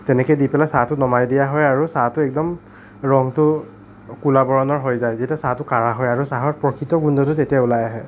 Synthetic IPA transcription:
tɛnɛkɛjdipɛlasatʊnɔmajdijaɦɔjaɹusatʊɛk̚dɔm | ɹɔŋtʊ | kulabɔɹɔnɔɹɦojzajzetasatʊkaɹaɦɔjaɹusaɦɔɹpɹɔkʰitɔɡundɔtʊtetijaulajaɦɛ

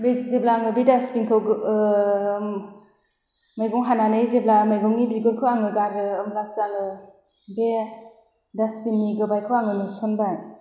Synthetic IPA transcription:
bezeblaŋɯbidaspinkʰɯ | majɡɔŋɦananɯjzeblamajɡɔŋːibiɡɔɾkʰɯaŋɯɡaɾɯːmlasaŋɯ | be | daspinːiɡɯbajkʰɯwaŋɯnusɔnbaj

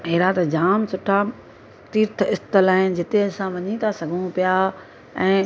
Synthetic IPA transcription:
ɦeːɾaːt̪ɐd͡ʑaːmsʊʈʰa | t̪iːɾt̪ʰɪst̪əlaːɦɪn̆d͡ʑɪt̪eɐsãʋɐɲit̪ʰasɐɡʱũpija | ɛ̃ː

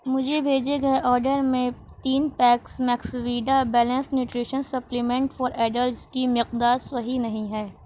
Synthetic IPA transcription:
mʊd͡ʒʱebʱeːd͡ʒeɡɐeʔɔːɾɖəɾmẽ | t̪iːnpɛːksmɛːkswiːɖabɛːlə̃nsnjuːʈɾiːʃənsɐplimẽɳʈfɔːɾɛːɖəlskimɪqd̪aːɾsɐɦinɐɦĩɦɛː

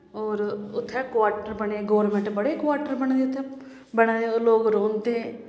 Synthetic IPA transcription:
oːɾʊt̪ʰːɛːkʋaːʈəɾbəɳeːɡoːʋɾmẽɳʈbəɽeːkʋaːɾʈəɾbəɳ̃d̪eːʊt̪ʰːɛ | bəɽaːd̪eoloːɡɾõːnd̪e

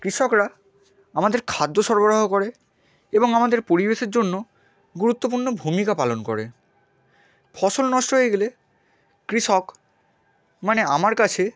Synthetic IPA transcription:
kɾiʃɔkɾa | amad̪eɾkʰad̪ːoʃɔɾboɾaɦokoɾe | eboŋamad̪eɾpoɾibeʃeɾd͡ʑonːo | ɡuɾut̪ːopuɾnobʱumikapalonko̰ɾe | fɔʃolnɔʃʈoɦoeɡele | kɾiʃɔk | maneamaɾkat͡ɕʰe

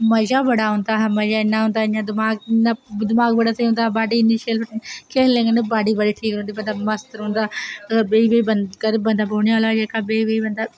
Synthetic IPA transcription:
məzaːbəɽaːɦʊ̃ːnd̪aːɦməd͡ʒaːɪnːaːɦõːnd̪aːɪɲãːd̪ɪmaːɡnːad̪ɪmaːɡ̚bəɽaːsəiɦõːnd̪aːbaːɖiːɪnɪʃiəlpʰəʈːkʰeːlẽːŋɡənebaːɖiːbəɽiːʈʰiːkõːnd̪iːbənd̪aːməst̪əɾɦõːnd̪aːəɡəɾbeːibeiːbənkəɾbənd̪aːboːɽɳiːaːlaːd͡ʒeːkaːbeːibeːiːbənd̪aː

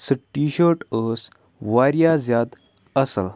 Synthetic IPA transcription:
səʈːiɕəɾʈəs | ʋaɾjad͡zjad̪ | əsəl

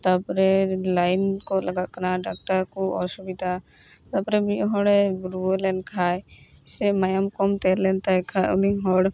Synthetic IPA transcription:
t̪apɾɛlajnkɔlɐɡaʔkaɾaɖak̚ʈaɾkɔɔ̰subid̪ʱa | t̪apɾɛbiʔɦɔɽɛbɾuɔlɛnkʰaj | sɛmajamkɔmt̪ɛɾlɛnt̪ajkʰauniɦɔɽ

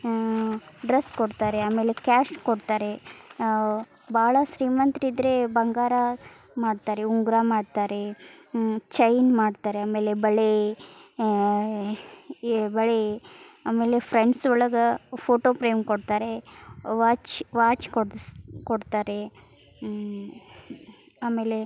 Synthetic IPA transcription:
ɖɾeskoɽt̪aːɾeaːme̞ːle̞kaːʃkoɽt̪aːɾe̞ | bʱaːɭɐʃɾiːmɐnt̪ɾid̪ɾebɐŋɡaːɾa | maːɖt̪aːɾeuŋɡɾamaːɖt̪aːɾe̞ | t͡ʃɐjnmaːɖt̪aːɾeaːme̞ːlebɐɭe | bɐɭeaːme̞ːlepʰɾeɳɖsɔɭɐɡɐpʰoːʈoːpɾɐjmkoɽt̪aːɾeʋaːt͡ʃʋaːt͡ʃkokoɽt̪aːɾe | aːme̞ːle

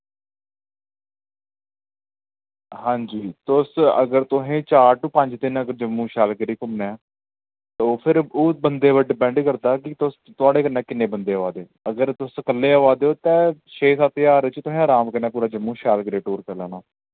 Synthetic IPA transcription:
hãːɲd͡ʒiːt̪ʊsə̰ɡəɾt̪ʊɦẽːt͡ʃaːɾʈuːpəɲd͡ʒd̪ɪnəɡəɾd͡ʒəmːũːʃaːlkəɾiːkʊmnɛː | t̪opʰɪɾoːbənd̪eːʋəɖɪpɛ̃ːɳɖkəɾd̪aːkɪt̪ʊst̪ʊaːɽeːkənːɛ̃ːkɪnːẽːbənd̪eːəʋaːd̪eːəɡəɾt̪ʊsəkəlːeːəʋaːd̪eːoːt̪ɛ̃ːʃeːsaːt̪ɪjaːɾɪt͡ʃt̪ʊɦẽːəːɾaːmkəɾnɛ̃ːpuːɾaːd͡ʒəmːũːʃaːlɡɾeːʈoːɾkɛːlaːnaː

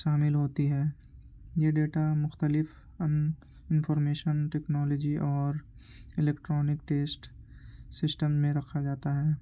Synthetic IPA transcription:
ʃaːmɪlɦoːt̪iɦɛː | jeɖeːʈamʊxt̪əlɪf | ɐn | ɪ̃nfɔːɾmeːʃənʈɛːknɔːlɔːd͡ʒiʔɔːɾ | ɪleːkʈɾɔːnɪkʈeːsʈsɪsʈəmmẽɾɐkʰad͡ʒaːt̪aɦɛː

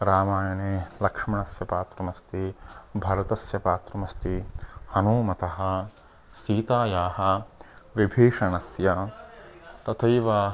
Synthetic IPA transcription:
ɾaːmaːjɐneːlɐkʂmɐɳɐsjɐpaːt̪ɾɐmɐst̪ibʱɐɾɐt̪ɐsjɐpaːt̪ɾɐmɐst̪ihɐnoːmɐt̪ɐɦɐ̆ | siːt̪aːjaːɦɐʋibʱeːʂɐɳɐsjɐ | t̪ɐt̪ʰɐjʋɐ

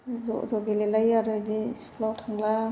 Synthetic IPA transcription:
zɔ̰zɔɡilelajaɾɯdipʰlawtʰaŋla

